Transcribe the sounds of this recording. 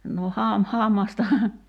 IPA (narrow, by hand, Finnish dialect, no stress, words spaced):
no hɑm hɑˑmːɑstɑhɑ